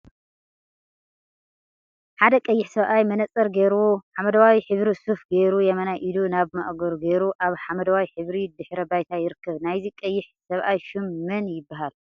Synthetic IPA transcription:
ħad̪ɐkʼɐjːɪħsɐβʔajmɐnɐt͡sʼɐɾɡeɾuħamɐd̪ɐwawiħɨβɾisufɡeɾujɛmɐnaʔid̪unaβmɐʔɡoɾɡeɾuʔaβħamɐd̪ɐwawiħɨβɾid̪ɨħɾɐbajt̪ʰajɪɾɨkʰːɐβnajzikʼɐjːɪħsɐβʔajʃɨmːɐnjɪbːaɦal

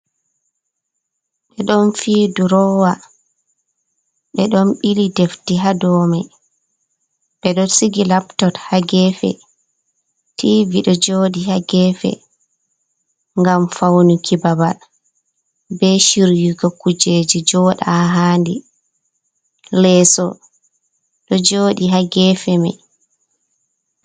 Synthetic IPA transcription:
ɓɛɗɔnfiːduɾɔwa | ɓɛɗɔnɓilideftiɦadɔmɛ | ɓɛɗɔsiɡilaptɔthaɡɛfɛ̰ | tʰiːviɗɔd͡ʒodihaɡɛfɛ̰ | ŋɡamfawnukʰibabal | bɛʃiɾjiɡɔkud͡ʒed͡ʒid͡ʒɔɗaɦaːndi | lɛːsɔ̰ | ɗɔd͡ʒoːɗiɦaɡɛːfɛma̰

